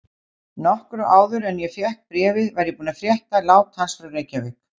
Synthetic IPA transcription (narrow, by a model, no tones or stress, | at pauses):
nɔhkɾʏʔaːwðʏɾɛnjɛfjɛhk̚pɾɛːvɪðvajɾjɛpuːnafɾjɛht̪alaːwt̪hanst̪ɾʏreːjcavɪk